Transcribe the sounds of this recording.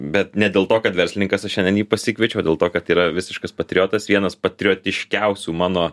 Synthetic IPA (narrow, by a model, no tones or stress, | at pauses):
bʲɛt̪nʲɛdʲeːlˠt̪oːkɐt̪ʋʲɛɾʲsʲlʲɪnʲɪŋkɐsɐʃʲɛnʲdʲɛnjiːpɐsʲɪkʋʲiɛt͡ʃʲɛʊdʲeːlˠt̪oːkɐt̪iːɾɐʋʲɪsʲɪʃkɐspɐt̪ʲɾʲɪoːt̪ɐsʋʲiɛnɐspɐt̪ʲɾʲɪoːt̪ʲɪʃʲkʲɛʊsʲuːmɑːnoː